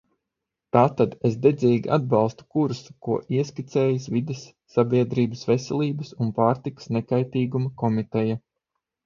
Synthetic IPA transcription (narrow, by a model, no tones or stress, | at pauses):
t̪aːt̪ad̪esd̪ed̪zʲiːɡʲiʔa̰d̪̚bɑlˠst̪u̥kuɾsukuɔʔiɛskit̪sɛːjisvid̪esːabʲiɛd̪ɾiːbəsvesʲɛlʲˠiːbəsunpaːɾt̪ikə̥snɛkajt̪iːɡumɐkɔmit̪ɛja